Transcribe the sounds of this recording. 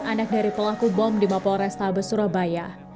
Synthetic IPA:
ʔanak̚daɾipəlakubɔmdimapɔɾɛst̪abəsuɾabaja

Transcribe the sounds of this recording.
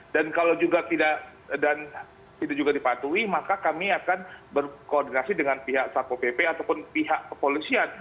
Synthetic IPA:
dankalawd͡ʒuɡat̪idaʔ | dan | t̪idaʔd͡ʒuɡadipat̪uimakakamiakanbərkoːrdinasidəŋanpiɦaksapopepeat̪awpʊnpiɦaʔkəpolisian

